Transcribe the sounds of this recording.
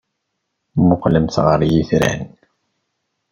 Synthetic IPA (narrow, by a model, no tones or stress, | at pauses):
mʊqləmθʁəɾˤjiθɾæ̰n